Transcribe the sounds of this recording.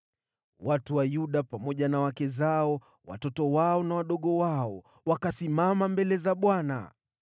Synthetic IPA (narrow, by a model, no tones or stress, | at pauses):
watuwajuɗapamɔʄanawakɛzaɔ | wa̰tɔtɔwaɔnawaɗɔɠɔwaɔ | wakasimamambɛlɛzaɓwana̰